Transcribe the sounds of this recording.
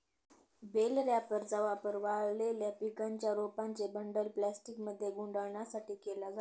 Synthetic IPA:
belɾjapəɾd͡zəʋapəɾʋaɭleljapikaɲt͡ɕjaɾopaɲt͡sebəɳɖəlplæsʈikməd̪ʱːjeɡuɳɖəɭɳjasaʈiːkelad͡za

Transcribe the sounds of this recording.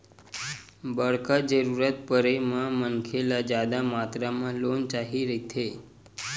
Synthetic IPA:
bəɽkad͡ʒəɾuɾət̪̚pəɾemãmənkʰelad͡ʒjad̪amat̪ɾamãlont͡ʃaɦiɾet̪ʰe

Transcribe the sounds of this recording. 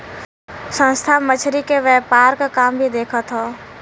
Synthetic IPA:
sə̃nst̪ʰamət͡ʃʰɾikeʋɛːpaːɾkakaːmbʱid̪eːkʰət̪ɦoː

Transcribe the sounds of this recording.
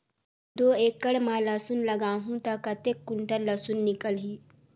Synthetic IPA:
d̪oːeːkːəɽmãlɐsʊnlɐɡaːɦũt̪ɐkɐt̪ekːʊɳʈəɾlɐsʊnːɪkəlɦiː

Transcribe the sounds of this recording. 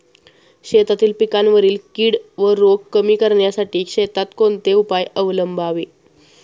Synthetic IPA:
ɕet̪at̪iːlpikanʋəɾiːlkiːɽʋəɾoɡkəmiːkəɾɳjasaʈiːkɕet̪at̪kont̪eupajəʋləmbʱaʋe

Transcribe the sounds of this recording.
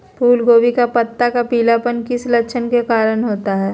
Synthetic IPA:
pʰuːlɡoːʋikapɐt̪ːakapiːlapənkɪslɐkːʃʰənkekaːɾənɦoːt̪aɦɛː

